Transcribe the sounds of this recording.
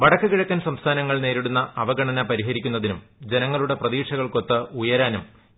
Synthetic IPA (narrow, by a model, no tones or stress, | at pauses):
ʋɐɽɐkːɨkiɻɐkʲːaːnsɐmst̪ʰaːnɐŋːɐɭne̞ːɾiɽunːɐʔɐʋɐɡɐɳɐnɐpɐɾiɦɐɾikʲːunːɐðinum | d͡ʑe̞nɐŋːɐɭuɽe̞prɐðiːʂɐɣɐɭko̞t̪ːɨujɐɾaːnum